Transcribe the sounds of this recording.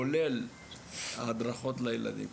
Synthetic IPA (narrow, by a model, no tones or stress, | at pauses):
olel | aːd̪ʁaχo̞tlajela̰d̪ḭm